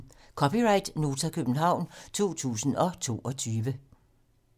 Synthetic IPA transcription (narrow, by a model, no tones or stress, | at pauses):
kʰɒ̽piʁɑ̈ɪd̥no̝ːt͡sʰækʰøb̥n̩ɦɑ̈ʊ̰nt͡sʰo̝̰ːt͡sʰṵːsn̩ɒ̽t͡sʰo̝̰ːʔɒ̽t͡sʰyːʋə